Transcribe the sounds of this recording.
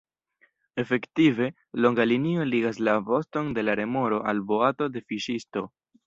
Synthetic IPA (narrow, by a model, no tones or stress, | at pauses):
e̞fe̞ktive̞ | lo̞ŋɡalinio̞liɡaslavo̞sto̞nde̞laɾe̞mo̞ɾo̞ʔalbo̞ato̞de̞fiʃisto̞